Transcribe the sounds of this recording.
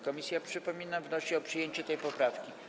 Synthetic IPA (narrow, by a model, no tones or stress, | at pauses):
kɔmʲisʲjapʂɘpɔmʲinavnɔɕɛɔpʂɘjeɲt͡ɕɛt̪ɛjpɔpɾafkʲi